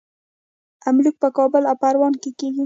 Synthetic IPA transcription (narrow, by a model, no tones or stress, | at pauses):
amluk̚pəkɑbəlawpaɾwɑnkekeɡi